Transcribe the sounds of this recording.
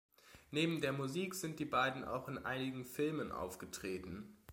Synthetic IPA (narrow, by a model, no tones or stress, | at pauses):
neːbm̩deːɐmuziːkz̥ɪnt̚d̥iːbaɪdn̩ʔa̰ʊxɪnʔa̰ɪnɪɡŋ̩fɪlmənʔa̰ʊfɡ̥ətʁ̥eːtn̩